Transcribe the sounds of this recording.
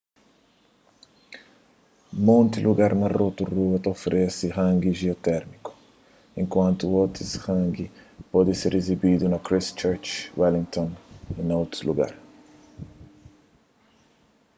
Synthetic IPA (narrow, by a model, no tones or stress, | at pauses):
mõnt̪iluɡaɾnɐrot̪uruɐt̪ɐofɾʔesihãŋɡiʒiot̪ɛɾmiku̥ | ẽŋkwɐ̃nt̪uot̪ɾishãŋɡipɔd̪ɪseɾezibid̪unɐkɾist͡ʃɛɾt͡ʃwɛlĩŋkt̪õninowt̪ɾuluɡa̰ɾ